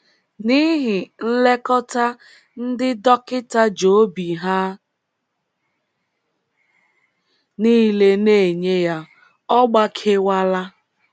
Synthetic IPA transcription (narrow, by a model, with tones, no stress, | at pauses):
ni˦ɦɪ˨n̩˦le˦kɔ˦ta˦ | n̩˦dɪ˦dɔ˦kɪ˦ta˦d͡ʒo˨˦bi˨ɦa˦ | niː˦le˦ne˦˨ɲe˦ja˦ | ɔ˦ɡ͡ba˦kʰe˦wa˦la˦